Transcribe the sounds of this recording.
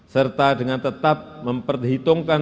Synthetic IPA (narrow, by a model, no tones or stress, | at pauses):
sərt̪adəŋant̪ət̪ap̚məmpərɦit̪ʊŋka